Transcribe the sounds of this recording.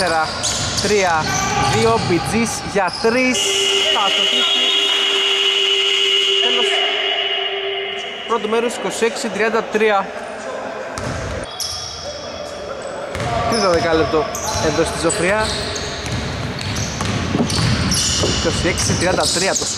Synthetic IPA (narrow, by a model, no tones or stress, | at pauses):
eɾɐ | t̪ɾiɐðio̞bid͡zis | ʝɐt̪ɾistɐt̪otisi | enos | pɾot̪umeɾosi̥ko̞sie̞ksit̪ɾiɐnd̪ɐt̪ɾiɐ | t̪it̪ɐðekɐlep̚t̪oeðo̞st̪izofɾiɐ | iko̞sieksit̪ɾiɐnd̪ɐt̪ɾiɐt̪o